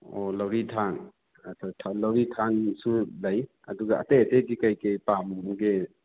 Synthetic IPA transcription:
olawɾitʰan | atʰatʰalawɾitʰansulaj | ɐ̰duɡa̰ːtejatedikajkejpamɡe

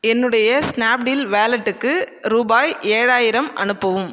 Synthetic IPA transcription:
ɛnːɯɽɐjɐsnaːp̚ɖiːlʋeːlɐʈːɯkːɯɾuːbaːjeːɻaːjɪɾɐmʔɐ̰nɯpːɐʋɯm

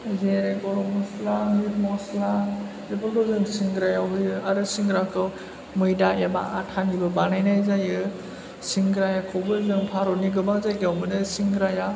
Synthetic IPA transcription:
zeɾeɡɔɾɔmɔslamiɾmɔslazebɯldɔzɯŋsiŋɡɾajawɦɯjɯaɾɯsiŋɡɾakʰɯw | mɯjdaema̰ʔatʰanibɯbanajnajzajɯ | siŋɡɾajakʰɔwbɯzɯŋpʰaɾɔniɡɯbazajɡawmɯnɯsiŋɡɾaja

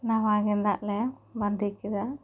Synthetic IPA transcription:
naʋaːɣend̪a̰ːleʋɐnd̪ikːiða

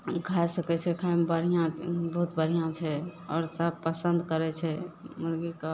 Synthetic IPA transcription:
ɡʱajsəkɛt͡ʃʰɛkʰambəɾijãbəɦut̪bəɾ̤ijãt͡ʃʰɛɔ̰ːɾsəb̚pəsənd̪kəɾɛt͡ʃʰɛmuɾɡika

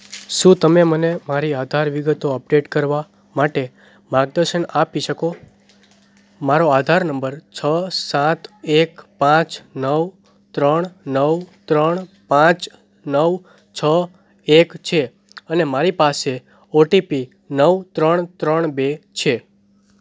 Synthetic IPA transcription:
ʃũt̪əmemənemaɾiad̪ʱaɾʋiɡət̪oəp̚ɖeʈkəɾʋa | maʈe | maɡ̚d̪əɾʃənapiʃəko | maɾoad̪ʱaɾnəmbəɾt͡ʃʰəsãt̪ekpãt͡ʃnəw | t̪ɾəɳnəʋt̪ɾəɳpãt͡ʃ | nəʋ | t͡ʃʰə | ekt͡ʃʰe | ənemaɾipase | oʈipi | nəʋt̪ɾəɳt̪ɾəɳbet͡ʃʰe

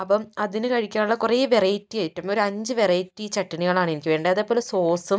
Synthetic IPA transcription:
ɐpːɐmɐðinɨkɐɻikʲːaːnuɭːɐkureːʋerɐjtːijaːjiʈːɐmːoɾuɐɲd͡ʑɨʋerɐjtːit͡ɕɐʈːɐniɣɐɭaːɳenikʲːɨʋe̞ːɳɖɐɐðepːolːeso̞ːsum

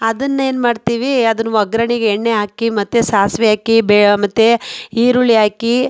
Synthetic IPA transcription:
ɐd̪ɐnːɐe̞ːnmaːɖt̪iːʋiɐd̪ɐnːuʋɐɡɾɐɳiɡeːɳːeaːkimɐt̪ːesaːsʋɛaːkibeːɭɐmɐt̪ːeiːɾuɭiaːki

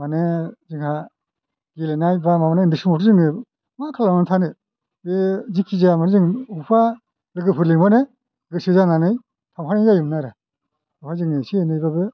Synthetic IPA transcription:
maneziŋha | ɡilenajbamamanendisɯmɔtzɯŋɯ | makʰalamantʰanɯ | bezikʰizamaɾzɯŋupʰa | ɾɯɡɯpʰɯɾliŋbane | ɡɯsezananɯj | tʰamhʰanezajɯmnaɾa | upʰazɯŋnɯsienɯjbabɯ

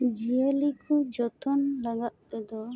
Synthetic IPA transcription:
d͡ʒielikɔd͡ʒɔt̪ʰɔnlaɡaʔ̪t̪ɛd̪ɔ

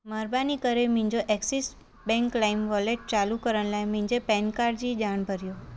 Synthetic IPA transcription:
məɾbanikəɾemĩɲd͡ʒoʔɛksis | bɛ̃ŋklaimʋɔleʈ̚t͡ʃalukəɾəɳlajmĩɲd͡ʒepɛnkaɾd͡ʒid͡ʒaɽ̃bʱəɾjo

